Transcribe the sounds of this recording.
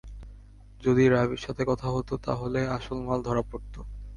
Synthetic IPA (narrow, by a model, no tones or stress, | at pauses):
d͡ʑod̪iɾaβiɾʃat̪ʰekɔt̪ʰaɦot̪ot̪a̰ɦoleaʃolmald̪ʱɔɾapoɾt̪o